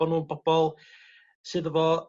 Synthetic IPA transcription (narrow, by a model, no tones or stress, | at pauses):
ɔnuːnbɔb̥ɔlˠ | sɨːðəvɔ